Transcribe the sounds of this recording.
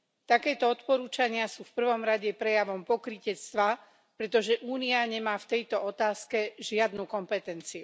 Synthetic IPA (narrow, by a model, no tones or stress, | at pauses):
t̪akɛːt̪ɔɔt̪pɔɾuːt͡ʃaɲɪasuːfpr̩ʋɔmɾaɟɛpɾɛjaʋɔmpɔkɾicɛt͡st̪ʋa | pɾɛt̪ɔʒɛʔuːniaɲɛmaːft̪ɛjt̪ɔɔt̪aːskɛʒɪad̪nukɔmpɛt̪ɛnt͡siu